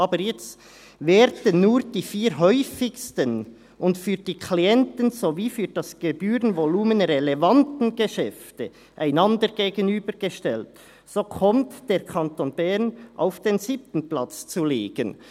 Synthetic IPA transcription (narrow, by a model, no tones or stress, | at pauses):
ɑːbəɾjɛt͡st | vɛːɾdənːuːʁd̥iːfiːɾɦœʏfɪçstən | ʊndfyːʁd̥iːkʰliɛntənzoviːfyːd̥ɑsɡ̥ebyːʁənvoluːmənrɛlevɑntn̩ɡeʃɛftə | ʔaɪnɑndəɾɡ̥eːɡənyːbəɾɡ̥əʃtɛlt | soːkʰɔmtd̥eːʁkʰɑntoːnbɛʁnʔa̰ʊfd̥enzip̚tən̩plɑt͡st͡suleːɡ̥ən